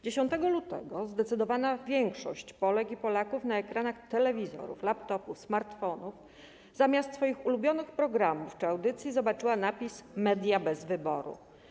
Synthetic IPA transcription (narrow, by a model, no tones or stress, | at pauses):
d͡ʑeɕɔnt̪ɛɡɔlut̪ɛ̰ɡɔzd̪ɛt̪sɘd̪ɔvanavʲjɛŋkʂɔ̰ɕt͡ɕpɔlɛkipɔlakufnaɛkɾanaxt̪ɛlɛvʲizɔ̰ɾṵflapt̪ɔpufsmaɾt̪fɔnuf | zamʲast̪sfɔjixulubʲjɔnɘxpɾɔɡɾamuft͡ʂɘawd̪ɘt̪sʲjizɔbat͡ʂɘwanapʲismɛd̪ʲjabɛzvɘbɔɾṵ